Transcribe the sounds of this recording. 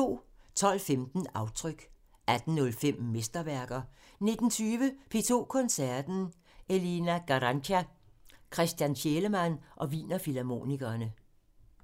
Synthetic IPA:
o̝̰ːt͡sʰɒ̽l̰femd̥n̩ɑ̈ʊt͡sʰʁœɡ̥ | æd̥n̩ːɔ̽lfem̰mesd̥ɐʋæɐɡ̥ɐ | ne̝d̥n̩t͡sʰyːʋəpʰe̝ːt͡sʰo̝̰ːkʰɒ̽nsæɐd̥n̩ | ʔe̝linæɡ̥ɑʁɑnɕʰækʰʁɛsd̥jænɕeləmænʔɒ̽ʋḭːnɐfilæmo̝̰niɡ̥ɐːnə

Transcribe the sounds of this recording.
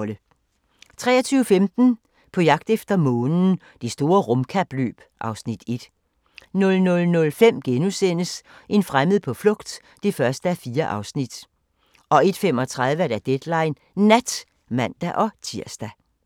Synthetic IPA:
lə | t͡sʰʁɛ̰ːɐt͡sʰyːʊəfemd̥n̩ | pʰɒ̽jɑ̈ɡ̥̚d̥efd̥ɐmɔ̽ːnn̩ | d̥esd̥o̝ːɐʁɔmkʰæb̥lø̰ːb̥ʔɑ̈ʊsnid̥e̝d̥ | nɔ̽lnɔ̽lnɔ̽lfem̰ɡ̥enusen̰əsʔe̝nfʁaməð̩ˠpʰɒ̽flɔ̽ɡ̥d̥ː | e̝fɶɐsd̥əæfiːɐʔɑ̈ʊsnid̥ | ʔɒ̽e̝d̥fem̰ɒ̽t͡sʰʁað̞ˠʋəæɾ̥æd̥ed̥lɑ̈ɪnː | æd̥ | mæn̰d̥æʔɒ̽t͡sʰiɐsd̥æ

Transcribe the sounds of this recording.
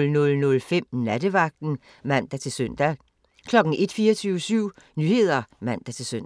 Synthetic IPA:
lnɔ̽lnɔ̽lfem̰næd̥əʋɑ̈ɡ̥̚d̥n̩ | mæn̰d̥æt͡sʰe̝lsøn̰d̥æ | kʰlɒ̽ɡ̥n̩ʔe̝d̥fiːɐt͡sʰyʊsyʊ̰nyhe̝ð̞̰ˠɐmæn̰d̥æt͡sʰe̝lsøn̰

